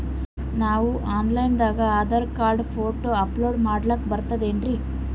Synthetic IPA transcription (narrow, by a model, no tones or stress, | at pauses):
naːʋuʔaːnlɐjnd̪aːɡɐaːd̪ɐɾkaːɾɖpʰoːʈoɐploːɖmaːɽlɐkbɐɾt̪ɐd̪e̞ːɳɾi